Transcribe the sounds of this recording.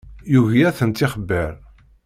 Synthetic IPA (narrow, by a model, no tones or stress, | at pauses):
juʝjæθənt̪ːɪχəbːəɾ